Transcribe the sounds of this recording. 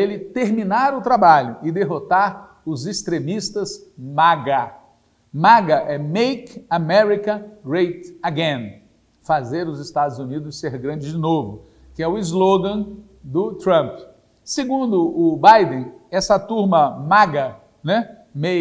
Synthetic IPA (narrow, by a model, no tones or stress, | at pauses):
elɪt̪eɾmĩnaɾʊt̪ɾabaʎʊʔɪd̪eɦot̪aɾ | ʊzɪst̪ɾẽmist̪ɐzmaɡa | maɡɐʔɛmejkamɛɾikɐ̃ɡɾejt̪aɡẽn | fazeɾʊzɪst̪ad̪ʊzunid̪ʊsseɾɡɾɐ̃d͡ʒɪd͡ʒɪnovʊ | kɪɛʊɪzloɡɐ̃ | d̪ʊt̪ɾɐ̃mp | sɪɡũnd̪ʊʔʊbajd̪ẽɛsɐt̪uɾmɐmaɡɐ | nɛ | me